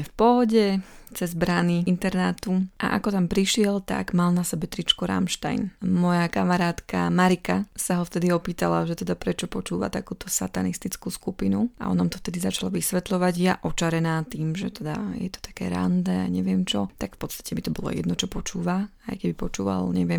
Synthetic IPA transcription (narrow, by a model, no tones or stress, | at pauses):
fpɔɦɔɟɛt͡sɛzbɾaniint̪ɛɾnat̪uʔa̰ʔakɔt̪ampɾiʃɪɛlt̪a̰ɡmalˠnasɛbɛt̪ɾit͡ʃkɔɾa̰mʃt̪a̰jnmɔjakamaɾaːt̪ka̰maɾikasaɦɔft̪ɛd̪iɔpiːt̪alaʒɛt̪ɛd̪apɾɛt͡ʃɔpɔt͡ʃuːʋa̰t̪akuːt̪ɔsat̪anist̪it͡skuːskupinua̰ʔɔ̰namt̪ɔft̪ɛd̪izat͡ʃalaʋisʋɛt̪lɔʋaɟjaʔɔt͡ʃaɾɛnaːt̪iːmʒɛt̪ɛd̪a̰jɛ̰t̪ɔ̥t̪ḁkɛ̰ːɾa̰nd̪ɛa̰ɲɛʋɪɛmt͡ʃɔt̪akfpɔt̪st̪ḁcɛbit̪ɔbɔlˠɔ̰jɛ̰d̪nɔt͡ʃɔpɔt͡ʃuːʋaa̰jkɛbipɔt͡ʃuːʋa̰lɲɛʋɪɛm